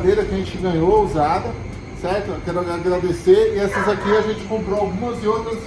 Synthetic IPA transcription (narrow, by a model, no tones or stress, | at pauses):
d̪ejɾɐkɪɐʒẽt͡ʃɪɡɐ̃ɲouzad̪ɐ | sɛɾt̪ʊkɛɾʊaaɡɾad̪eseɾɪɛsɐzakiaʒẽt͡ʃɪ̥kõmpɾoawɡũmɐzɪot̪ɾɐs